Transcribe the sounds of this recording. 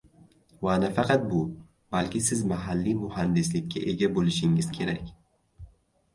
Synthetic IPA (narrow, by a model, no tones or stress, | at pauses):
waːnafaqat̪̚buː | balkisizmaɦalːimʊhand̪isit̪̚kʰiʔeɡabuliʃiŋɡiskʰeɾak